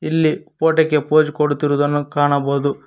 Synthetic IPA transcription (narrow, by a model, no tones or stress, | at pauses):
ilːipoːʈɐkːepoːd͡ʒukoɽut̪iɾud̪ɐnːukaːɳɐboːd̪u